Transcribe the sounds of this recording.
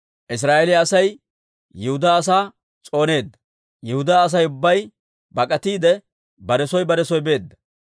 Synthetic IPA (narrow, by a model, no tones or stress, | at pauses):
ʔɪs̬ɾaːʔelɪjɐsɐjː | ɪhʊd̪aːɐsaː | t͡sʼo̞ːne̞ːd̪ːɐ̥ | jɪhʊd̪aːɐs̬ɐjʊbːɐj | bɐkʼɐt̪iːd̪ɛ | bɐɾɛsɔjbɐɾɛsɔjbe̞ːd̪ːɐ̥